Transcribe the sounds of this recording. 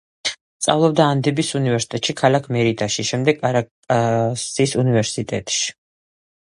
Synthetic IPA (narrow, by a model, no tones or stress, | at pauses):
st̪sʼa̰vlˠɔb̚d̪aːnd̪ibisunivɛɾsi̥t̪ʼɛt̪ʼʃikʰalakʰmɛɾid̪aʃiʃɛmd̪ɛɡaɾa | asisunivɛɾsit̪ʼɛ̰t̪ʼʃi̥